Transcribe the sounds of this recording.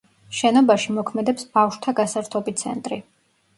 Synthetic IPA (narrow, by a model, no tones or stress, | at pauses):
ʃɛnɔbaʃimɔkʰmɛd̪ɛpsbafʃt̪ʰaɡasaɾt̪ʰɔbit̪sʰɛ̰nt̪ʼɾi